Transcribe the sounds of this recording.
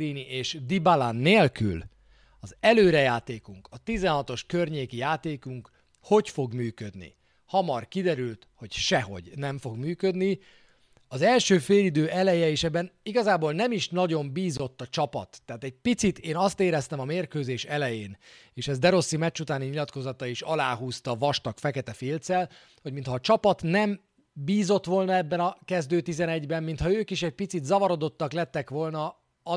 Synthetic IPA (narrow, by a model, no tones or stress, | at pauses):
iːniʔeːʃd̪ibalanːeːlky̰l | ɒzɛløːɾɛjaːt̪eːkuŋkɒt̪izɛnɦɒt̪o̞ʃkørɲeːkijaːt̪eːkuŋk | ho̞cfo̞ɡmyːkø̞d̪nḭ | hɒmɒrkid̪ɛɾylt̪ho̞cʃɛɦo̞̰ɟnɛɱfo̞ɡmyːkø̞d̪ni | ɒzɛlʃøːfeːlid̪øːʔɛlɛjɛeʃɛbːɛniɡɒzaːboːlnɛmiʃnɒɟo̞mbiːzo̞t̪ːɒt͡ʃɒpɒ̰t̪ːɛːt̪ɛɟ̚pit̪sit̪eːnɒst̪eːɾɛst̪ɛmɒmeːrkøːzeːʃɛlɛjeːneːʃɛzd̪ɛɾo̞sːimɛt͡ʃːut̪aːniɲilɒt̪ko̞zɒt̪ɒiʃɒlaːɦuːst̪ɒvɒʃt̪ɒkfɛkɛt̪ɛfilt̪sɛl | ho̞ɟmint̪hɒːt͡ʃɒpɒt̪nɛm | biːzot̪ʋo̞lnɒɛbːɛnɒkɛzd̪øːt̪izɛnɛɟbɛmːint̪hɒøːkiʃɛc̚pit̪sit̪zɒvɒɾo̞d̪o̞t̪ːɒklɛt̪ːɛkʋo̞lnɒ | ɒ